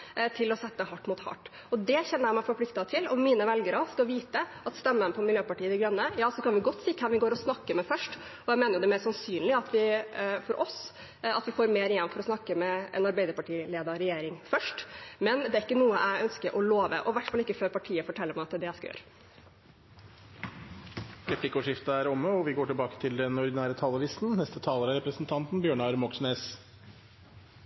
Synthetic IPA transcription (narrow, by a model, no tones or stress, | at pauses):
t̪ʰɪlɔsɛt̪ːəɦɑʈːmuːt̪hɑ̰ʈː | ɔd̪ɛçɛnːəɾjæmæɪfɔɾpʰlɪk̚t̪ɑt̪ʰɪlɔmːiːnəʋɛlɡəɾəskɑʋiːt̪əʔɑt̪st̪ɛmːənəpʰɔmɪljøːpɑʈiːəd̪ɪɡɾœnːəjɑːsɔkʰɑnʋɪɡɔt̪ːsiːkʰɛmʋɪɡoːɾɔsnɑkːəmɛfœʂʈ | ɔjæɪmeːnəjʊd̪ɛmesɑnsyːnlɪɑt̪ʋɪfɔɾʔɔs | ɑt̪ʋɪfoːɾmeːɾɪjɛnfɔɾɔsnɑkːəmɛʔɛ̰nɑɾbæɪd̪əɾpɑʈiːleːd̪ɑɾɛjeːɾɪŋfœʂʈmɛnd̪ɛæɾɪkːənuːəʔæɪœnskəɾʔɔloːʋə̰ʔɔʋæʈːfɑlɪkːəføːɾpɑʈʰiːəfɔʈʰɛlːəɾmæɪɑt̪d̪ɛjæskɑø̰ːɾə | ɾɛpʰlɪkːʊʂɪft̪əæɾɔmːəɔʋɪɡoːʈɪlbɑːkə̥t̪ʰɪld̪ɛnɔɾd̪ɪnæːɾət̪ʰɑːləʋɪst̪n̩nɛst̪ət̪ʰɑːləɾæɾɛpɾəsnt̪ʰɑnt̪nbjøːɳɑɾmɔksneːs